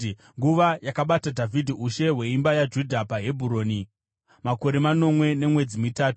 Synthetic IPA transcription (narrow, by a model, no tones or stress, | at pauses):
ŋɡuʋajakaɓatadʱavʱidʱiuʃe̞ɦwe̞imbajad͡ʒudʱapaɦe̞bʱuɾo̞ːni | mako̞ɾe̞mano̞mwe̞ne̞mwe̞d͡zimitaːtu̥